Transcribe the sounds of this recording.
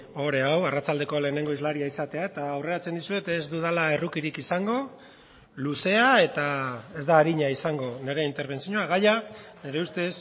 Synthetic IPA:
o̞ɾe̞awarat͡sald̪e̞ko̞le̞ːne̞ŋɡo̞izlaɾiaisat̪e̞ae̞t̪aːwre̞ɾat͡se̞nd̪isue̞t̪ezd̪uð̞alae̞rukiɾikisaŋɡo̞ | luse̞ae̞t̪ae̞zd̪aːɾiɲaisaŋɡo̞ne̞ɾe̞int̪e̞ɾβ̞e̞nsiɲoaɣ̞aʎakne̞ɾe̞ust̪e̞s

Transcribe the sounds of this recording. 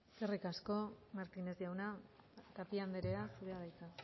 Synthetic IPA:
serikasko̞maɾt̪ine̞ziawnat̪apiand̪eɾe̞asuɾeaðajt̪a

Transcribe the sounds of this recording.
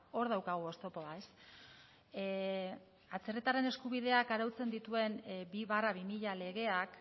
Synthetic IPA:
o̞ɾð̞awkaɣ̞uost̪o̞po̞aes | at͡se̞ret̪are̞ne̞skuβ̞iðe̞akaɾawt͡se̞nd̪it̪ue̞nbiβaraβ̞imiʎale̞ɣe̞ak

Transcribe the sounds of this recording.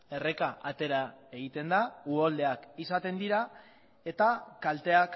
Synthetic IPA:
e̞re̞kaʔat̪e̞ɾae̞ɣit̪e̞nd̪auold̪e̞akisat̪e̞nd̪iɾa | e̞t̪akalt̪e̞ak

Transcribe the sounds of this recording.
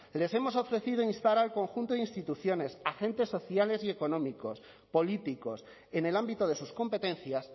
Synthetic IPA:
le̞se̞mo̞so̞fɾe̞θið̞oinst̪aɾalkõ̞ŋxunt̪oðinst̪it̪uθjo̞ne̞saxe̞nt̪e̞sːo̞θjale̞sie̞ko̞nõ̞miko̞s | po̞lit̪iko̞s | e̞ne̞lambit̪oðe̞susko̞mpe̞t̪e̞n̟θjas

